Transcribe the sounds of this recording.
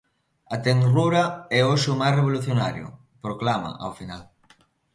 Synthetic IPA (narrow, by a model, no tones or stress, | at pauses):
at̪eŋruɾɐɛoʃʊmajreβoluθjonaɾjʊ̰ | pɾoklamɐ̰a̰wfinal